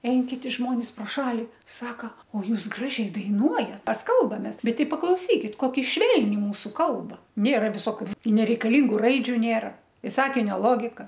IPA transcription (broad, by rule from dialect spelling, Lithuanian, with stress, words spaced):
ˈɛɪn kʲɪˈtʲɪ ˈʒmoːnʲɪs proː ˈʃɑːlʲɪ ˈsɑːkɐ oː ˈjuːs ˈɡrɑːʒʲɛɪ dɐɪˈnuɔjɛt ˈmʲɛs ˈkɐlˠbɐmʲeːs ˈbʲɛt ˈtʲɪ pɐklˠɐʊˈsʲiːkʲɪt ˈkoːkʲɪ ˈʃʲʋʲɛlʲnʲɪ ˈmuːsʊ ˈkɐlˠbɐ ˈnʲeːrɐ ʋʲɪˈsoːkʲʊ nʲɛrʲɛɪkɐˈlʲiːŋɡʊ ˈrɐɪd͡ʒʲʊ ˈnʲeːrɐ ɪ ˈsɑːkʲɪnʲoː ˈlˠoːɡʲɪkɐ